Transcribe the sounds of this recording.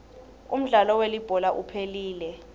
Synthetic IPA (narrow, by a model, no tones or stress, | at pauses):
ṵm̩ɮalɔwelib̥ʱɔlaʔupʰeliːlɛ